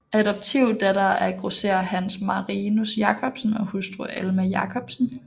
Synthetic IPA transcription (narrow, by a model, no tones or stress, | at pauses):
æɾɒ̽b̥̚t͡sʰiʊd̥ædɑæɐɡ̥ʁosḛɐhænsmɑ̈ʁinusjɑ̈kʰɒ̽b̥sn̩ɒ̽husd̥uelmæjɑ̈kʰɒb̥sn̩